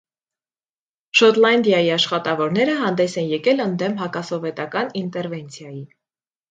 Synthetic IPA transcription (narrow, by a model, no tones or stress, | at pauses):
ʃɔt̪lɑnd̪jɑjiɑʃχɑt̪ɑvɔɾnɛɾəɦɑnd̪ɛsɛnjɛkɛlənd̪ɛmɦɑkɑsɔvɛt̪ɑkɑnint̪ɛɾvɛnt͡sʰjɑji